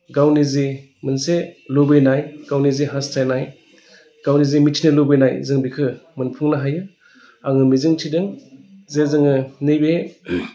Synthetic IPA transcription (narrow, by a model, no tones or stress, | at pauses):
ɡawnizi | mɯnselobɯjnajɡ̥awniziɦastʰajnaj | ɡ̥awnizimitʰinɯlobɯjnajzɯŋbikʰɯmɯnpʰuŋnaɦajɯ | aŋɯmizɯŋtʰidɯŋzezɯŋɯnɯjbe